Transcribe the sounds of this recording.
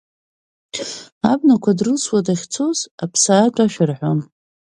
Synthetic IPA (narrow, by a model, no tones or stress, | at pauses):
abnakʷʰadrɨlswadaχʲt͡sʰo̞zapʰsaːʈ͡ʂʼaʃᶣɪrħʷom